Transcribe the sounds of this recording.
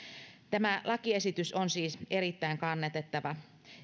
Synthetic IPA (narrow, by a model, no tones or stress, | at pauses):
t̪æmælʔɑkie̞sit̪ysonsiːse̞ɾit̪ːæiŋkɑnːet̪et̪ːɑʋɑ